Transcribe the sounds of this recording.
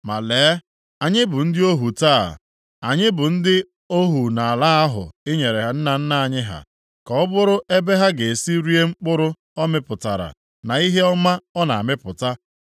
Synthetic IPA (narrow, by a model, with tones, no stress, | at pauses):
ma˨leː˨˦ | a˨ɲɪ˦bʊ˨n̩˦dɪ˦o˦ɦu˨ta̰ː˦˨ | a˨ɲɪ˦bʊ˨n̩˦dɪ˦ | o˦ɦu˨na˨a˨la˦a˦ɦʊ̰˨ɪ˦ɲe˨ɾe˨ɦa˨n̩˦na˨n̩˦na˦˨a˨ɲɪ˦ɦa̰˨ | kɔ˨ɔ˦bʊ˦ɾʊ˦ʔe˦be˦ɦa˦ɡe˨si˦ɾi˦e˦ŋ͡m̩˦k͡pʊ˦ɾʊ˦ | ɔ˦mɪ˦pʊ˨ta˨ɾa̰˨ | na˨i˦ɦe˦ɔ˦ma˦ɔ˦na̰˨a˨mɪ˦pʊ˨ta˦